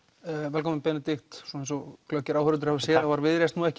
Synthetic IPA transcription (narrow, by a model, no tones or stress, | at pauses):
vɛlkɔmɪnpɛːnɪt̪ɪxt̪sɔẽjnsɔɣklœhcːɪɾawhœɾʏnʏɾ̥havsɛːðavaɾvɪðɾest̪nuːɛhc